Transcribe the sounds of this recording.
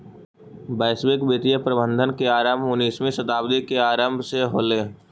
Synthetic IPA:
bɛːswɪkbet̪ijəpɾəbə̃nd̪ʱənkeaːɾəmbʊniːsmẽsət̪aːbd̪ikeaːɾəmbʱseɦoːleː

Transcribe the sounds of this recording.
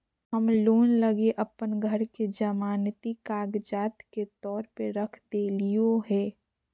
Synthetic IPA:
ɦəmloːnlɐɡeʔɐpənɡʱəɾked͡ʒɐmaːnt̪ikaːɡd͡ʒaːt̪ket̪ɔːɾpəɾəkʰd̪eːlijoɦɛː

